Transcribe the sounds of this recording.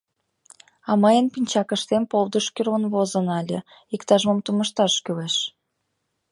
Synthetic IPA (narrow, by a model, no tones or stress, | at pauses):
ɑmɑjənpinʲt͡ɕɑkə̆ʃt̪empold̪əʃkyrənβozənɑlʲə | ikt̪ɑʒməmt̪uməʃt̪ɑʃkyleʃ